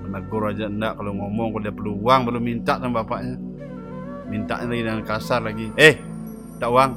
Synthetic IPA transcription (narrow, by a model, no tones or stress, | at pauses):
ənəɡʊrad͡ʒaəndaʔkaloŋomɔŋkodiapərluuaŋbərlumint̪aʔtaŋbapaʔɲa | mint̪a̰ʔɲalaɡidəŋankasarlaɡieh | ndaʔuaŋ